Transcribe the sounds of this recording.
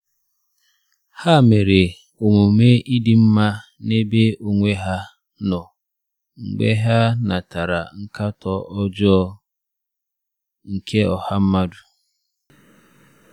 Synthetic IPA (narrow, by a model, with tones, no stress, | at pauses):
ha˦˨me˨ɾe˨ | o˨mo˨me˦ʔi˦dɪ˨m̩˦ma˦ | ne˦be˦o˨ŋʷe˦ɦa˦ | nɔ˨ | ŋ͡m̩˨ɡ͡bḛ˦ɦa˦na˨ta˨ɾa˨ŋ̩˦ka˦tɔ˨ɔ˦d͡ʒɔ˦ | ŋ̩˨kʰe˦ɔ˨ha˦m̩˦ma˦du˨